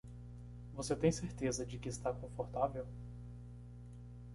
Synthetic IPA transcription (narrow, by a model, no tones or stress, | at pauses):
voset̪ẽj̃seɾt̪ezɐd͡ʒɪkɪːst̪akõfoɾt̪avew